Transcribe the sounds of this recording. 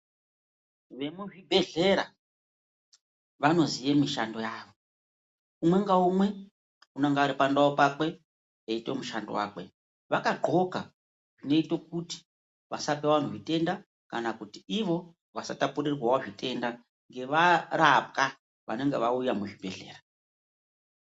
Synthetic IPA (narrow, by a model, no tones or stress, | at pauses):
ʋe̞muʐibʱe̞ɮe̞ɾa | ʋano̞zijemiʃando̞jaːʋo̞ | umwe̞ŋɡaumwe̞ | unaŋɡaɾipandaopakwe̞ | eitwe̞muʃandowa̰ːkwe̞̰ | ʋakaɡ͡ǃʱo̞ka | ʐ̥ine̞ito̞k̚uti̥ | ʋa̰sapeʋan̤uʐite̞nda | kanakutiiʋo̞ | ʋasatapurirwawoʐite̞nda | ŋɡe̞ʋaɾap̚ka | ʋa̰ne̞ŋɡe̞̰ʋaujamuʐibʱe̞ɮe̞̰ːra